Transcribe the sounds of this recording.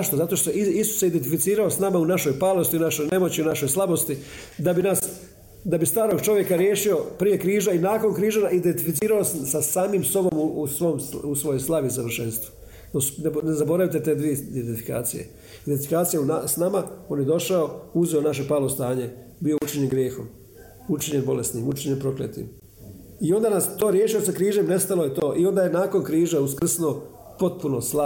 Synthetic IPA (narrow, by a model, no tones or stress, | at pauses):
ʃt̪o̞zat̪o̞ʃt̪oiisu̥sːeid̪ent̪ifit̪siːɾao̞snamaunaʃo̞jpaːlˠo̞st̪iunaʃojne̞mo̞t͡ɕiunaʃo̞jslˠabo̞st̪id̪abinas | d̪abist̪aːɾo̞ɡt͡ʃo̞ʋje̞kaɾjeːʃio̞pɾije̞kɾiːʒainaːko̞nkɾiːʒanaid̪ent̪ifit̪siːɾaossasaːmiːmso̞bo̞muusʋomsusʋo̞jojslˠaʋisaʋr̩ʃe̞nst̪ʋo̥ | nosnnezabo̞ɾaʋit̪et̪eːd̪ʋied̪ed̪t̪ifika̰ːt̪sijḛ | id̪ent̪ifikaːt̪sijaunasnamao̞ːnjed̪o̞ʃaouzeo̞naʃ̬e̞paːlˠost̪aːɲe̞ | bio̞ut͡ʃiɲenɡɾjeːxo̰m | ut͡ʃiɲenbo̞lesnimut͡ʃiɲenpɾo̞klḛt̪ḭm | io̞nd̪anast̪o̞ːɾjeːʃijosakɾiːʒe̞mne̞st̪alojet̪o̞ːʔio̞nd̪ajenaːko̞nkɾiːʒeuskr̩sno | po̞t̪̚punosla